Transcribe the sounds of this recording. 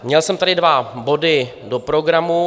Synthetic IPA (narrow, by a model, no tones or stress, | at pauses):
mɲɛlsɛmt̪adɪdvabo̞dɪ | dopɾo̞ɡɾamu